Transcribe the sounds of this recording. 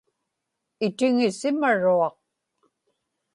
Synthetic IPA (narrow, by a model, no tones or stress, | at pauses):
ɪt̪ɪŋɪsɪmaɻuɑq̚